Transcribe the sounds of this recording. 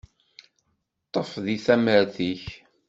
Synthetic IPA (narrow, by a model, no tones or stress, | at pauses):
t̪ˤːəfðiθæməɾθiç